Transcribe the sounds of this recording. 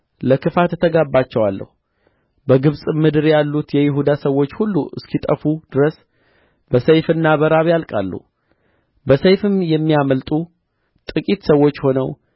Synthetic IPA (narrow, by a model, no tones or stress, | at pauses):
ləkɨfat̪t̪ʰəɡabːat͡ʃːɛwalːə̰hu | bəɡɨβsʼmɨd̪ɨɾjalːut̪jɛjɪɦud̪asəwːo̞t͡ʃːhulːuʔɨ̰skʰit̪ʼəfud̪̥ɨɾəs | bəsəjfɨnːaβəɾaβjalkʼa̰lːṵ | bəsəjfɨmjɛmːijaməlt̪ʼu | t̪ʼɨkʼit̪səwːo̞t͡ʃːho̞nəw